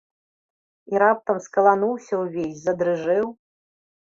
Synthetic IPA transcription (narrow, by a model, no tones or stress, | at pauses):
iɾap̚t̪ɐmskɐlˠanuwsʲɐwvʲesʲzɐd̪ɾɨʐɨw